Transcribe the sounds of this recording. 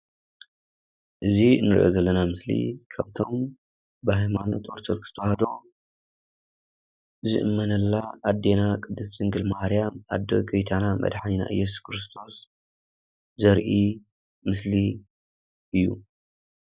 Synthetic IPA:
ʔɨzinːɨɾʔo̰zɐlːɐnamɨslḭkʰaβt̪ʰo̞m | bɨhajmanot̪ʔoɾt̪ʰoɾkʰɨ̥st̪ʰɐwhad̪o̞ | zɨ̰ʔɨmːɐnɐlːaːd̪ːe̞nakʼɨd̪ːɨst͡ʃɨŋɡɨlmahɾijama̰d̪ːoɡɐjt̪ʰanamɐ̰d̪ħanina̰ʔɨ̰jːɛs̬uskʰɾɨst̪ʰo̞s | zɐɾʔi | mɨsli | ʔɨjːṵ

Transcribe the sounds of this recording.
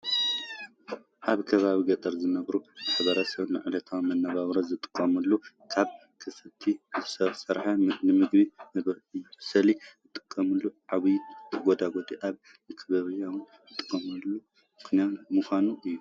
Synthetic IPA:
ʔaβkʰɐβaβiɡɐt̪ʼɐɾzɨnɐβɾumaħβɐɾɐsɐβnɨ̰ʕɨlɐt̪ʰawmɐnːɐβaβɾɐzɨt̪ʼɨ̥kʼːɐmɐlːu | kʰaβ | kʰɨsɨt̪ʰiɨsɐsɐɾħanɨmɨɡbinɨβɾɨːusɐlizɨt̪ʼːɨ̥kʼːɐmɨlːuʕaβɨjɡʷod̪aɡo̞t̪ʼiʔaβ | mɨkʰɨβɐβɨjawɨn | ɨt̪ʼɨ̥kʼːɐmɐlːu | mɨxnamuxʷanuʔɨjːu

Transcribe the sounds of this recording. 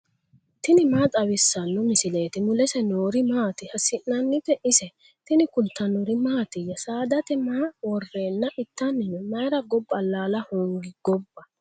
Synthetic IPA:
t̪ɪnɪmaːt͡sʼɐwɪsːɐnːɔmɪsɪle̞ːt̪ɪmʊlɛsɛnoːɾɪmaːt̪ɪhɐsɪʔnɐnːɪt̪ɛʔɪsɛ | t̪ɪnɪkʊlt̪ʰːɐnʊɾɪmaːt̪ɪjːɐsaːd̪ɐt̪ɛmaːwɔrːe̞ːnːɐʔɪt̪ːɐnːɪnɛmɐjɾɐɡɔbːɐlaːlɐhoːŋɡɪɡɔbːɐ

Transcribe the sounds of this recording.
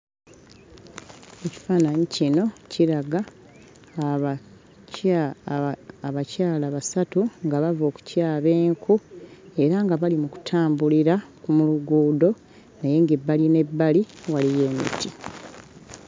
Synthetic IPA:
e̞ci̥faːnaɲicino̞ciɾaɡa | aβacaːlaβasatuŋɡaβavo̞ːku̥caːβe̞ːŋkʰue̞ɾaŋɡaβalimuku̥tʰaːmbuliɾakumuluɡuːdo̞ | neje̞ːŋɡebːaline̞bːaliwalije̞ːmḭti

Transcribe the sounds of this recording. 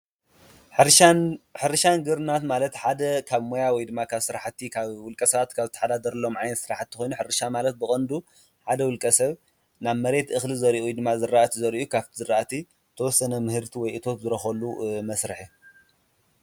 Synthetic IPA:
ħɨɾʃanɡɨɾnat̪malɐt̪ħad̪ɐkʰaβmo̞jawɔjd̪ɨmːakʰaβsɨɾaħt̪ʰːikʰaβwʊlkʼɐsɐβat̪kʰaβzɨt̪ʰːaħad̪ad̪ɐɾɐlːo̞mʕajnɐt̪sɨɾaħat̪ːʰɨkʰʷo̞jnuħɨɾɨʃamalɐt̪̚bɨkʼɐnd̪u | ħad̪ɐwʊlkʼɐsɐβ | naβmɐɾe̞t̪ʔɨxlizɐɾiʔujd̪ɨmːazɨɾːaʔt̪ʰizɐɾiʔukʰaβt̪ʰizɨɾaʔt̪ʰi | t̪ʰɐwɔsːɐnɐmɨhɨɾt̪ʰiwɔjʔɨt̪ʰo̞t̪zɨɾɐxɐlːumɐsɾɨħi

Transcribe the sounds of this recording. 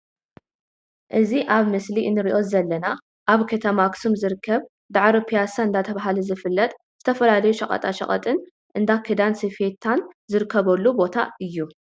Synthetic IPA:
ʔɨziʔaβmɨsliʔɨnːɨɾiʔo̞zɐlːɐna | ʔaβkʰɐt̪ʰɐmaksumzɨɾɨkʰːɐβ | d̪aʕɾɐpʰijasaɨnd̪at̪ʰɐβaɦalɐzɨfɨlːɐt̪ʼ | z̥ɨt̪ʰɐfɐlalɐjuʃɐχʼɐ̰t̪ʼaʃɐ̰χʼɐ̰t̪ʼɨn | ʔɨnd̪akʰɨd̪ansifet̪ʰːanzɨɾɨkːɐβɐlːubo̞t̪ʰaɨjːu

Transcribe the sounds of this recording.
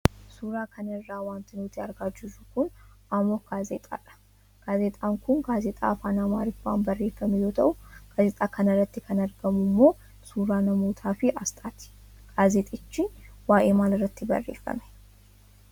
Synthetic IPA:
suɾaːkʰɐnɐrːaːwaːnt̪ɪnut̪ʰɪaɾɡaːd͡ʒːɪzukʊnʔamoɡ̥aːzeːt̪ʼa̰ːᶑɐ̥ | ɡ̥aːzet̪ʼaːŋkʰʊnɡaːzet̪ʼa̰ːfaːnaːmaːɾɪfa̰ːnbɐrːeːfːɐmɛjot̪ʰɐʔʊɡ̥aːzet̪ʼaːkʰɐnɐɾɐt̪ːɪkʰɐnɐɾɡɐmumːo̞ː | suːɾaːnɐmoːt̪ʰaːfɪʔast̪ʼaːt̪ɪ̥ | ɡ̥aːzeːt̪ʼɪt͡ʃːɪwaːʔeːmaːlrɐt̪ːɪbɐ̰rːḛːfːɐ̰mɛ̥

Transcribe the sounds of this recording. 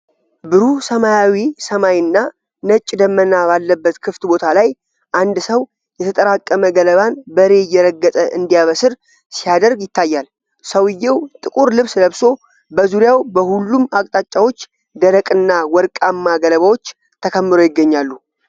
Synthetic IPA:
bɨɾusəmajawisəmajnːa | nət͡ʃʼːd̪əmːənabalːəbːət̪kʰɨft̪bo̞t̪ʰalaj | ʔand̪səw | jɛt̪ʰət̪ʼəɾakʼːəməɡələβanbəɾe̞jɛɾəɡːət̪ʼəʔɨnd̪ijaβəsɨɾ | sijad̪əɾɡjɪt̪ʰːajːal | səwɨjːɛwt̪ʼɨkʼuɾlɨβsləβso̞ | bəzuɾjawbəhulːumakʼt̪ʼat͡ʃʼawo̞t͡ʃː | d̪əɾəkʼɨnːawɔɾkʼamːaɡələβawo̞t͡ʃː | t̪ʰəkʰəmːɨɾojɪɡːəɲːalːu

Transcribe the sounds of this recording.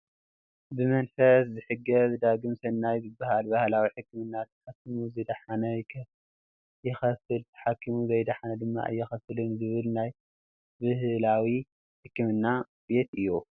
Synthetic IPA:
bɨmɐnfɐszɨħɨɡɐβɨd̪aɡɨmsɐnːajzɨbːahalbahlawiħɨkːɨmɨnːat̪ʰɐ̥ħakːimuzɨd̪ɐħanɐjkʰ | jɪxɐfɨlt̪ʰɐ̥ħakʰːimuzɐjd̪ɐħanɐd̪ɨmːa̰ʔɨ̰jːɪxɐfɨlɨnzɨβɨlnaj | bɨhlawi | ħɨkːɨmɨnːa | be̞t̪ɨjːu

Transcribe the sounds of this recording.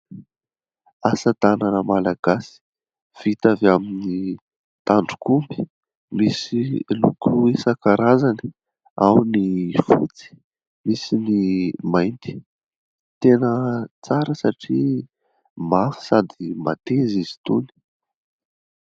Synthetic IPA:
asat̪ananəmalaɡ̥asi̥ | v̥it̪avamini | t̪aɳɖ͡ʐukumbi̥ | misilṵkuisakaɾazani̥ | awnifṵt͡si̥ | misinimajnt̪i̥ | t̪enət͡saɾəsaʈ͡ʂi | mafi̥sad̪ima̰t̪ezizi̥t̪uni̥

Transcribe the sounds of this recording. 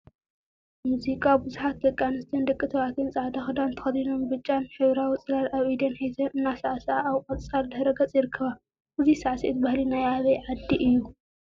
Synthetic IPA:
muzikʼabɨzuħat̪̚d̪ɐkʼːanɨst̪ʰɐnd̪ɐkʼːɨt̪ʰɐβat̪ʰɨnsʼaʕd̪axɨd̪ant̪ʰɐ̥xɐt̪inombɨt͡ʃʼːanħɨβɾawit͡sʼɨlaɾaβʔid̪ɐnħejt̪ʰɐnɨnːasaʕsaaβkʼɐt͡sʼt͡sʼald̪ɐɾɐɡɐt͡sʼjɪɾɨkʰːɐβa | ʔɨzisaʕsit̪̚bahlinajaβɐjʕad̪ːiʔɨjːu

